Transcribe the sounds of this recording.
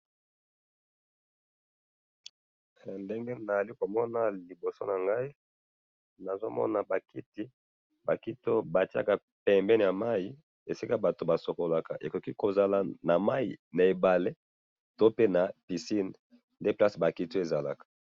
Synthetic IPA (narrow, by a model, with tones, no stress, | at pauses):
nde˦ŋɡe˦na˨za˨li˦ko˨mɔ˦na˨li˨bo˨so˦na˨ŋɡa˦i˦ | na˨zo˦mɔ̰˦na˨ba˨kʰi˦ti˦ | ba˨ki˦to˦ba˨ti˦a̰˨ka˨ | pɛ˨mbɛ˦n˨ja˨ma˦ji˦ | e˨si˦ka˦ba˨to˨ba˨so˨ko˨la˨ka˨ʔe˨ko˨ki˦ko˨za˨la˨na˨ma˦jḭ˨na˨e˨ba˨le˦ | to˦pe˦na˨pi˨si˦n˨ | nde˦pla˦sba˨ki˦to˦e˨za˨la˨kḁ˨